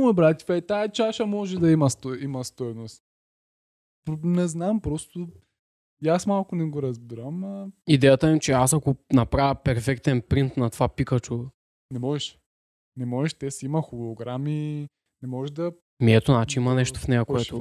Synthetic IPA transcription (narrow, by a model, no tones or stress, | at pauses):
mojbɾat̪ʲifɛt̪aɛt͡ʃaʃɐmɔʒɛd̪ɐimɐst̪ɔimɐst̪ɔjnost̪ | pnɛznampɾɔst̪ʊ | jasmalˠkʊnɛɡoɾɐzbiɾəməid̪ɛjət̪əimt͡ʃɛasɐkʊnɐpɾavəpɛɾfɛkt̪ɛnpɾint̪nɐt̪ovapikɐt͡ʃo | nɛmɔʒɛʃ | nɛmɔʒɛʃt̪ɛsimɐxʊloɡɾami | nɛmɔʒɛʒd̪ɐ | miɛt̪ʊnat͡ʃiimɐnɛʃt̪ʊ̥fnɛjɐkoɛt̪ʊ